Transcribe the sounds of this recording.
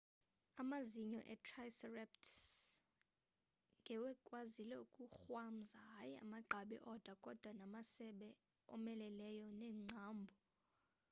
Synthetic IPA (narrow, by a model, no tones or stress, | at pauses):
amaziɲɔ̰ʔɛtʰrajsɛrɛp̚tʰ | ŋɡʱɛwɛkʼwazilɛukʼuxwam̩zaɦajia̰maǃʱaɓɛ̰ʔɔd̥ʱakʼɔd̥ʱwanamasɛɓɛ | ɔ̰mɛlɛlɛjɔnɛːŋ͡ǀʱaːmbʱɔ